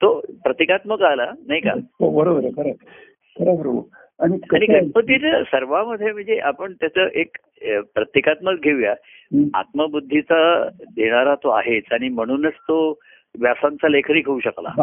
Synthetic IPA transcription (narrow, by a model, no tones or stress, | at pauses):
t̪opɾət̪ekat̪məɡalanaɦika̰bəɾobɾəkʰəɾe | kʰəɾebəɾo | aɽ̃ikaɽ̃ikaməd̪ʱːit͡səsəɾʋaməd̪ʱːjem̤əɳd͡zeʔapəɳt̪jat͡səʔek | pɾət̪jekat̪məd̪̚ɡʱeʋja | a̰t̪məbud̪ʱːit͡sad̪ʱeɽ̃aɾat̪oa̰ɦet͡saɽ̃im̤əɽ̃uːnət͡st̪o | ʋjasant͡salekʰəɾiːkʰəuɕəkla̰